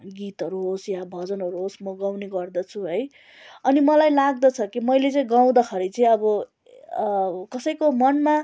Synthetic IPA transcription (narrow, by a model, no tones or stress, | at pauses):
ɡit̪ɦʌɾuɦosjabʱʌd͡zʌnɦʌɾuɦosmʌɡawneɡʌrd̪ʌt͡sʰuɦʌj | ʌnimʌlajlaɡ̚d̪ʌt͡sʰʌkimʌjlet͡sʌĩɡaw̃d̪ʌkʰʌɾit͡sʌĩʌbʌ | kʌsʌjkomʌnma